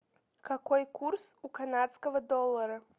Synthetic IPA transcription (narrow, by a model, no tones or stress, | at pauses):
kakɔjkursukanat̪skɐvɐd̪ɔlˠːɐɾɐ